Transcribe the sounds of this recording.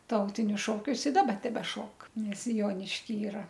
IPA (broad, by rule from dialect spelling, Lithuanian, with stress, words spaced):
ˈtɐʊtʲɪnʲʊs ʃoːˈkʲʊs ɪ ˈdɑːbɐ tʲɛbʲɛˈʃoːk nʲɛs ˈjoːnʲɪʃʲkʲiː ˈiːrɐ